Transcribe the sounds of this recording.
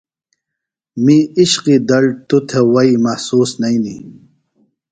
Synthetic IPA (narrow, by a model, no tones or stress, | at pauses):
miiɕqid̪ɐlt̪ut̪ʰewɐimɐhsuːsnɐini